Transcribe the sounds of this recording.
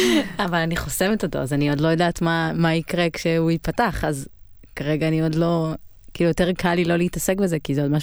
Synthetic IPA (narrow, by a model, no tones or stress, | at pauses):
avalaniχosemetot̪o̞̰azanio̞dlo̞jodaːtmamaikʁekʃeuipataχaz | kaʁeɡaːnio̞dlo̞ | kiːlujote̞ʁkʰalilo̞leitase̞kbe̞zekizeodmaʃ